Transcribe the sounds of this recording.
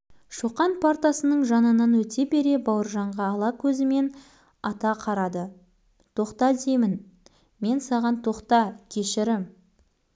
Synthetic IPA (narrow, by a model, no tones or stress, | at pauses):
ʃuqɑnpʰaɾt̪asənəɴʒɑnənənwɵt̪e̞be̞ɾe̞bɑwəɾʒɑɴʁɑːlˠɑkʲʰɵzɪme̞n | ɑt̪ɑqʰɑɾɑd̪ə | t̪ʰo̞qt̪ɑd̪e̞mɪn | me̞nsɑʁɑnt̪ʰo̞qt̪ɑkʲʰe̞ʃɪɾɪm